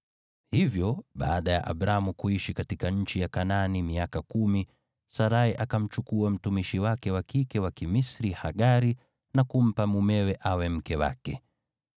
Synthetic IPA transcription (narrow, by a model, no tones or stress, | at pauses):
hivjɔɓa̰ːɗaja̰ʔa̰ɓɾamukuiʃikatikaɲ̩t͡ʃijakananimiakakumi | saɾaiʔakam̩t͡ʃukuam̩tumiʃiwakɛwakikɛwakimisɾihaɠaɾi | nakum̩pamumɛwɛʔawɛm̩kɛwa̰kɛ̰